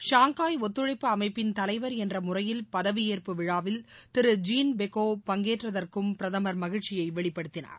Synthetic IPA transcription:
ʂaːŋkaːjɔt̪ːɯɻɐɪpːɯɐmɐɪpːɪnt̪ɐlɐɪʋɐɾɛndrɐmʊrɐjɪlpɐðɐʋɪeːrpɯʋɪɻaːʋɪlt̪ɪɾɯd͡ʒiːnbɛkoːpɐŋɡeːʈrɐðɐrkɯmpɪɾɐðɐmɐɾmɐɣɪɻt͡ʃɪjɐɪʋɛɭɪpːɐɽɯt̪ːɪna̰ːɾ

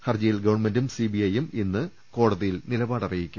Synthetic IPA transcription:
hɐrd͡ʑɐjilɡɐʋɐnmendumsibiɐjeminːɨ | ko̞ːɽɐðijilnilɐbaːɽɐrijikʲːu

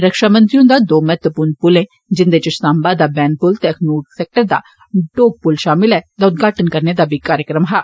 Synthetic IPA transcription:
ɾəkʃaːmə̃nt̪ɾiõd̪aːd̪oːmɛːt̪əpuːɾnpʊlẽː | d͡ʒɪnd̪et͡ʃəsaːmbaːd̪aːbɛːnpʊlt̪ekʰnuːɖsɛːk̚ʈəɾd̪a̰ː | ɖoːɡ̚pʊlʃaːmɪlɛːt̪aːʊt̪̚ɡaːʈənkəɾned̪aːbʱikaːɾjəkɾəmɦaː

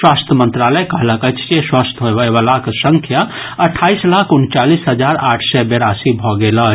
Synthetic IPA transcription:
swast̪ʰəmə̃nt̪ɾaləjkəɦləkət͡ʃʰt͡ʃeswast̪ʰɦoebəebalaksəŋkʰja | əʈʰaislakʰunt͡ʃalisɦəd͡ʒaɾaʈʰsɛbeɾasibʱɔɡelə

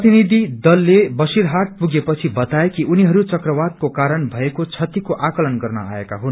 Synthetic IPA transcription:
t̪inid̪ʱid̪ʌlːebʌsiɾɦaʈ̚puɡepʌt͡sʰibʌt̪aekiʔuniɦʌɾut͡sʌkrʌwad̪̚kokaɾʌnbʱʌekot͡sʰʌt̪ikoʔakʌlʌnɡʌrnʌ̰aekaɦun

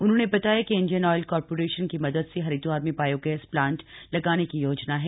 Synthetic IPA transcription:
ʊnɦõːnebɐt̪aːjakeɪ̃nd͡ʒiənɔːɪlkɔːɾpoːɾeːʃənkimɐd̪əd̪seɦɐɾiːd̪oaːɾmẽbaːjoɡɛːsplãːɳʈlɐɡaːnekijoːd͡ʒnaɦɛː

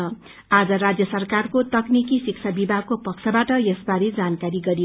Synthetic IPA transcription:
ʌ | ad͡zʌɾad͡zjʌsʌrkarkot̪ʌknikisikt͡sʰabibʱaɡ̚kopʌksʰʌbaʈʌjesbaɾed͡zankaɾiɡʌɾi

